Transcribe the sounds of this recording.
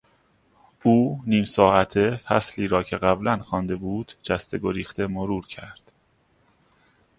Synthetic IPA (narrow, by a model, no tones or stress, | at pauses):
uːniːmsɒːʔæt̪ʰefæsliːɾɒːcʰe̞ɣæblænxɒːnd̪e̞buːd̪̥d͡ʒæst̪e̞ɡoɾiːxt̪e̞moɾuːɾcʰæɾd̪̥